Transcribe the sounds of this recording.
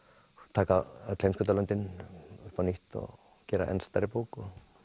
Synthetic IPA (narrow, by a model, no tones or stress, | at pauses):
t̪ʰaːkaaðt̪lejmskʏt̪alœnt̪ɪnʏhpaniht̪ɔ̰ | cɛːɾa̰ʔɛ̰nst̪aɾɪpoːkɔ